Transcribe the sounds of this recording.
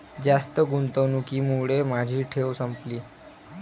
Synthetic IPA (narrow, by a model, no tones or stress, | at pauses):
d͡zast̪əɡunt̪əʋnukiːmuɽemad͡ʑʱiːʈʰeʋsəmpliː